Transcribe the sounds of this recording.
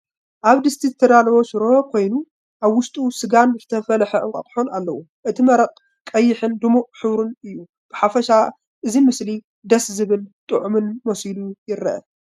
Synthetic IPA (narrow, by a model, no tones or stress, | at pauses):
ʔaβd̪ɨst̪ʰizɨt̪ʰɐd̪alɐβoʃɨɾokʰo̞jnu | ʔaβwʊʃt̪ʼusɨɡanzɨt̪ʰɐfɐlħɐʔɨŋkʼɐ̰t̪ʼħonalːɐwu | ʔɨt̪ʰimɐɾɐqʼ | kʼɐjːɪħɨnd̪ɨmuħɨwɾunɨjːu | b̥ɨħafɐʃa | ʔɨzimɨsli | d̪ɐszɨβɨlt̪ʼɨʕumɨnmosilujɪɾːɐʔɐ̰